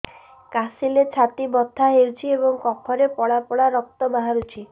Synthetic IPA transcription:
kasilet͡ʃʰat̪ibɔt̪ʰːaɦewt͡ʃʰiebɔŋkɔkʰɔɾepɔɭapɔɽaɾɔk̚t̪ɔbaɦaɾut͡ʃʰi

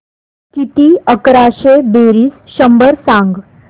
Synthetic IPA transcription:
kit̪iəkɾaɕeb̪eɾiːsɕəmbəɾsãŋɡ

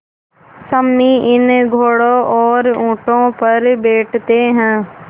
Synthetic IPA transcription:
səmːiʔɪnɡʱoːɽoʔɔːɾũːʈõpəɾbeːʈʰt̪eɦɛ̃ː

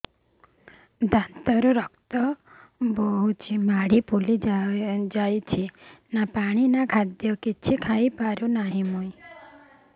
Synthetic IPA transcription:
d̪ʱant̪əɾuɾɔkt̪ɔ | boɦut͡ʃʰimaɽipuli | d͡ʒajt͡ʃʰinapaɽ̃inakʰad̪jɔkit͡ʃʰikʰaipaɾunaɦĩmoi

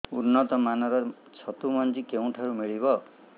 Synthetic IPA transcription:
unːɔt̪ɔmanɔɾɔ | t͡ʃʰɔt̪umɔnd͡ʒikeũʈʰaɾumiɭiβɔ

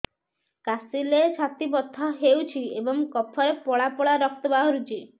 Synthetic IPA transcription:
kasilesat̪ibɔt̪ʰːɔɦewt͡ʃʰiebɔŋkɔpʰɔɾepɔɭapɔɭaɾɔk̚t̪ɔbaɦɔɾut͡ʃʰi

